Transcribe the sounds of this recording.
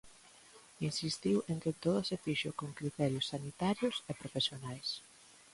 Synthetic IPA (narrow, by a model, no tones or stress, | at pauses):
insist̪iweŋket̪oðʊsefiʃokoŋkɾit̪ɛɾjʊsːanit̪aɾjʊsepɾofesjonajs